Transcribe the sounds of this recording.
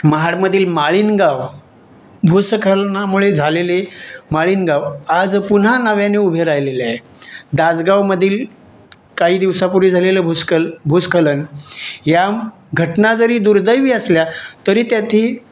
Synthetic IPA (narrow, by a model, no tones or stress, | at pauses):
məɦaɽməd̪ʱiːlmaɭiːnɡaʋ | bʱuskʰəlnamuɭed͡zʱalelemaɭiːnɡaʋad͡zpun̤anəʋjaneubʱeɾajlelae | d̪ad͡zɡaʋməd̪ʱiːl | kaɦiːd̪iʋsapuɾiːd͡zʱaleləbʱuskəbʱuskʰələnja | ɡʱəʈnad͡zəɾiːd̪uɾd̪əjʋiəsljat̪əɾiːt̪jat̪ʰiː